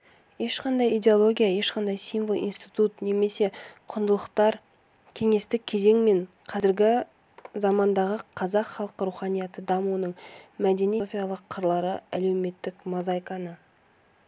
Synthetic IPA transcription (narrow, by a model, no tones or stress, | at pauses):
je̞ʃqɑnd̪ɑjid̪ʲe̞olˠo̞ɡʲijaje̞ʃqɑnd̪ɑjsinvolˠḭnst̪ijt̪ut̪ne̞me̞se̞qʰʊnd̪əlˠəqt̪ɑɾ | kʲʰe̞ŋe̞st̪ɪk̚ʲʰːe̞ze̞ŋme̞ɴ | qʰɑzɪɾɡʲɪ | zɑmɑnd̪ɑʁəqʰɑzɑqχɑlˠqəɾuχɑnijɑt̪əd̪ɑmuənəɴmæd̪e̞nifʲijalˠəqʰːəɾlˠɑɾəæle̞wme̞t̪ːɪkmozɑjkɑnə